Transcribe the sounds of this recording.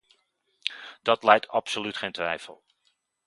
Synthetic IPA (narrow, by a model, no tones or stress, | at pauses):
d̥ɑtlɛjtɑpsolytχeːjntʋɛjfə̰lˠ